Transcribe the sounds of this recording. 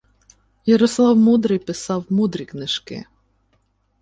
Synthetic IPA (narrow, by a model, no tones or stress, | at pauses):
jɐɾɔslˠɑwmud̪ɾɪjpɪsɑwmud̪ɾʲiknɪʃkɪ̰